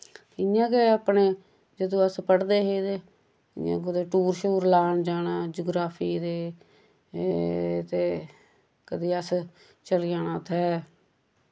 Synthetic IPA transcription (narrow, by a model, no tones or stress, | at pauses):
ɪjãːkeəpneː | d͡ʒəd̪õːəspəɽd̪eːɦeːd̪e | ɪ̰jã̰ːkʊd̪eːʈuːɾʃuːɾlaːnd͡ʒaːnãːd͡ʒoːɡɾaːpʰiːd̪eː | t̪eː | kəd̪iːəs | t͡ʃəlɪjaːnãːt̪ʰɛː